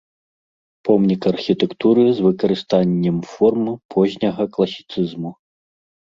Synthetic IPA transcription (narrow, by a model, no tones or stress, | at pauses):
pɔmnʲikɐrxʲit̪ɛkt̪uɾɨzvɨkɐɾɨst̪anʲːɛmfɔrmɨpʰɔʑʲnʲɐɣɐklˠɐsʲi̥t̪sɨzmu